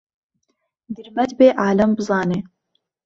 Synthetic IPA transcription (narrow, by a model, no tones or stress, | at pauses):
d̪iɾmɐd̪beːʔaːlɐmbɨzɑːneː